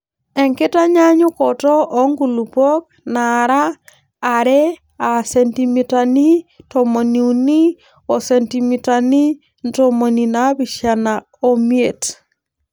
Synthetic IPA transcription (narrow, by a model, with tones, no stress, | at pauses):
ɛ˨ŋkɪ˦ta˦ɲa˦ɲʊ˦kɔtɔ˦ʔɔ˦ŋɡu˨lu˨pɔ˦k̚naɾaː˦˨ | ɾɛ˦ | a˨sɛntimi˨ta˨ni˦tɔmo˨ni˨uni˦ | ɔ˨sɛntimi˨tani˦ | ntomo˨nina˦bi˨ʃa˨na | o˨mje˨t